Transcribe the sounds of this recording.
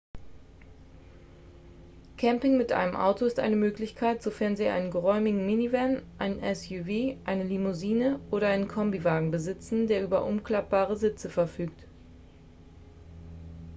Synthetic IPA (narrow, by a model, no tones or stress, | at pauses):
kʰɛmpɪŋmɪtʔa̰ɪnəmʔa̰ʊtoɪstʔa̰ɪnəmøːklɪçkʰaɪtz̥ofɛɐnziːʔa̰ɪnənɡəʁɔʏmɪɡŋ̩mɪnivɛnʔaɪnənʔɛsjuviːʔaɪnəlimuziːnəʔoːɾɐʔaɪnənkʰɔmbivaːɡŋ̩bəzɪt͡sn̩deːɐʔyːbɐʔʊmkl̥ap̚b̥aːʁ̞əzɪt͡səfɛɐfyːkt